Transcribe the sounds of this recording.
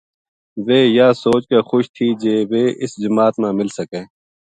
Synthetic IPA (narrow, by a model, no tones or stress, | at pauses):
ʋeːjaːsoːt͡ʃkeːxʊʃt̪ʰiːd͡ʒeːʋeːʔɪsd͡ʒəmaːt̪mãːmɪlsəkẽː